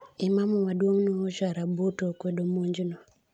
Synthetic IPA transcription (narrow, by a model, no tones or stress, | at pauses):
ɪmamɔwadwoŋnoʃaɾabotokwedomoɲd͡ʒno